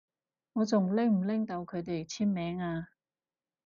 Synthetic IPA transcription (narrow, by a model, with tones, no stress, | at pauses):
ŋɔː˨˧t͡sʊ˨ŋlɪ˥ŋm̩˨˩lɪ˥ŋt̪ɐ˧wkʰɵ˨˧ɥt̪e˨jt͡sʰiː˥nmɛː˨˧˥ŋaː˧